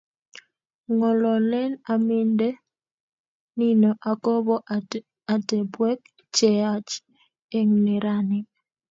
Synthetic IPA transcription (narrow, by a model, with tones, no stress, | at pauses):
ŋɔ˨lɔ˨lɛ˦na˨mɪ˦nde˦ | ni˦nɔ˨ʔa˨kɔ˦bɔ˦ | a˨tɛ˨bwɛ˦k | t͡ʃɛ˨a˦t͡ʃ | e˦ŋnɛ˨ɾa˦nɪ˦k